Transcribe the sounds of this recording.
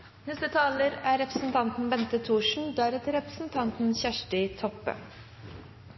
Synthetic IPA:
nɛst̪ət̪ʰɑːləɾæːɾɛpɾəsn̩t̪ʰɑnt̪n̩bɛnt̪ət̪ʰuːʂɳ̩d̪æɾt̪ʰɪɾɛpɾəsn̩t̪ʰɑnt̪n̩çæʂʈɪt̪ʰɔpːə̰

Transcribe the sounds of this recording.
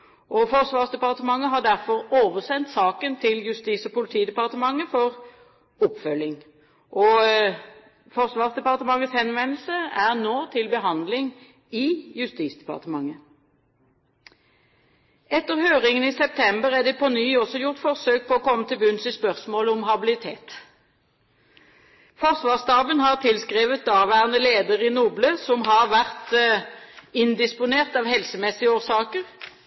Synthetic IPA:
ʔɔfɔʁsʋɑːʁsd̪ɛpɑʁt̪əmɑŋːəɦɑʁd̪æʁfɔʁoːʋəʁsɛnt̪sɑːkənt̪ʰɪljʉst̪iːsɔpʊlɪt̪ʰiːd̪ɛpɑʁt̪əmɑŋːəfɔʁ | ɔpfœlːɪŋ | ʔɔ | fɔʁsʋɑːʁsd̪ɛpɑʁt̪əmɑŋːət̪shɛnʋɛnlsəæʁnoːt̪ʰɪlbəɦɑnd̪lɪŋ | ɪjʉst̪iːsd̪ɛpɑ̰ʁt̪əmɑŋːə | ɛt̪ːəʁhøːʁɪŋəniːsɛp̚t̪ʰɛmbəʁæʁd̪ɛpʰɔnyːɔsɔjʊʁt̪fɔʁsøːk̚pʰɔɔːkʰɔmːət̪ɪlbʉnsɪspœʁsmoːləɔmhɑbɪlɪt̪ʰeːt̪ | fɔʁsʋɑːʁst̪ɑːbənhɑʁt̪ʰɪlskʁeːʋət̪̚d̪ɑːʁʋæːʁənəleːd̪əʁɪnuːbløsɔmɦɑʁʋæʁt̪ | ɪnd̪ɪspʊneːʁt̪ɑːʋhɛlsəmɛsːɪəoːʁsɑːkəʁ

